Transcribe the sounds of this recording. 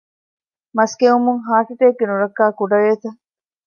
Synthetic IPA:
mɐskeumuŋɦaːʈiʈ̪eːɡːenuɾɐkːaːkuɖɐɾeːt̪ɐ

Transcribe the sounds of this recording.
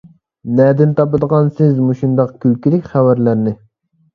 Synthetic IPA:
nɛd̪ɪnt̪ʰɑpɨd̪əʁɑnsɪzmuʃund̪ɑqkʲʰylkʲilɪkʲχævæɾlæɾnɪ

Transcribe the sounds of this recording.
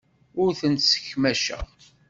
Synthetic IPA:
ʊɾθənt̪sə̥çmæʃə̰ʁ

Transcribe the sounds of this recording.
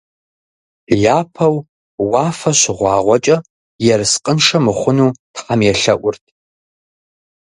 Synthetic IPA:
jaːpʰɐw | wɑːfɐɕɪʁʷɑːʁʷɔt͡ʃʼɐ | jɛrɨsqʼənʂɐmɨχʷʊnuːtħɐmjɛɬɐʔʷʊrtʰ

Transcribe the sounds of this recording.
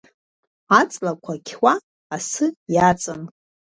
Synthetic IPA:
at͡sʼlakʷʰakʲʰwaː | sɨjat͡sʼan

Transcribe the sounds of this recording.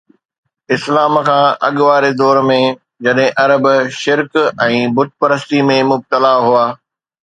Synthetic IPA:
ɪslaːmkʰãːʔɐ̰ɠʋaːɾed̪ɔːɾmẽ | d͡ʑɐɗɦɪ̃ʔɐɾəbʃɪɾkɛ̃ːbʊt̪̚ʰpɐɾəst̪imẽmʊb̚t̪əlaɦuaː

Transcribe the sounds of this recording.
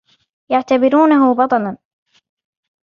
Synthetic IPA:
jaʕt̪abɪɾuːnaɦʊbɑt̪ˤɑlan

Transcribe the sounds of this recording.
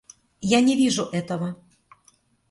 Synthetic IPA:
janʲɛvʲiʐuʔɛt̪əvə

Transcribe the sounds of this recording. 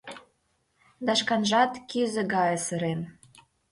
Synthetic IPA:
d̪ɑʃkɑnʒɑt̪kyzɘ̆ɡɑjə̆sə̆ɾem

